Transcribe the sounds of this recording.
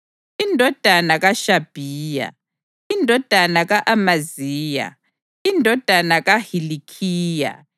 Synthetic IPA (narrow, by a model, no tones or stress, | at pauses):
indʱɔd̥ʱanaɣaʃab̥ʱiːja̰ | indʱɔd̥ʱanaɣaʔamaziːja̰ | indʱɔd̥ʱanaɣahilikʰiːja̰